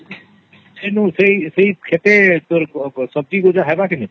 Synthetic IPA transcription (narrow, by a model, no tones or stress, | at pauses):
senũseiseikʰet̪et̪oɾsɔb̚d͡ʒiɡod͡ʒaɦɛbakini